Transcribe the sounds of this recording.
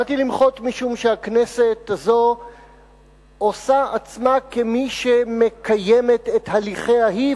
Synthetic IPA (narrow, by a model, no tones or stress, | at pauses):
at̪ilimχo̞t̪miʃumʃeakne̞se̞t̪azo̞ | osaat͡smakemiʃeme̞kajeme̞t̪e̞t̪haliχeaɦi